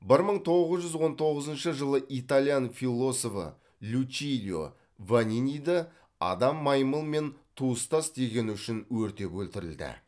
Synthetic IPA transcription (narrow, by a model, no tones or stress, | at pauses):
bɪɾməɴt̪ʰo̞ʁəzʒʏzwo̞nt̪ʰo̞ʁəzənʃəʒəlˠəʔit̪alʲˠijanfilˠːo̞sofə̰ | lʲut͡ʃilʲjo̰ | vanʲinʲijd̪ə | ɑ̰d̪ɑmːɑjməlˠme̞nt̪ʰuəst̪ɑst̪e̞ɡʲe̞nʏʃɪnwɵɾt̪e̞kɵlt̪ɪɾɪ̰ld̪ɪ̰